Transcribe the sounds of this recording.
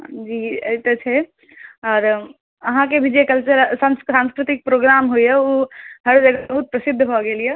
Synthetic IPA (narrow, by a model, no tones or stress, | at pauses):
d͡ʒiːɐt̪ɐt͡ʃʰe | ɔːɾ | ɐɦãkebʱid͡ʒekɐlt͡ʃəɾsãnssãːnskɾɪt̪ɪk̚pɾoːɡɾaːmɦuiɦɛuɦɐɾd͡ʒɐɡabɐɦut̪̚pɾɐsɪd̪ʱːɦoɡeːlie